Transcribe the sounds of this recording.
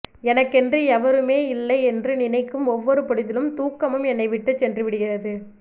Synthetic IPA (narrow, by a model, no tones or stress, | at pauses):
ɛnɐkːɛndrɯɛʋɐɾɯmeːɪlːɐɪɛndrɯnɪnɐɪkːɯmɔʋːɔɾɯpɔɽɪðɪlɯmt̪uːkːɐmɯmɛnːɐɪʋɪʈːɐt͡ʃːɛndrɯʋɪɽɯɣɪrɐðɯ